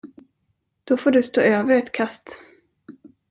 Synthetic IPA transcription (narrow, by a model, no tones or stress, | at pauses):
d̪̥ɔfoːɖɵst̪o̰ːøːvəɾɛt̪kʰast̪